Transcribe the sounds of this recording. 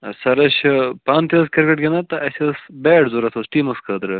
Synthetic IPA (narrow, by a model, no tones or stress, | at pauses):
sɐɾɐɕpaːnt̪jɐskɐɾkɐʈɡʲɐnɐt̪ɐʔɐsɐsbɛːʈzuɾɐt̪ʰosʈiːmɐskʰɐd̪ɾɨ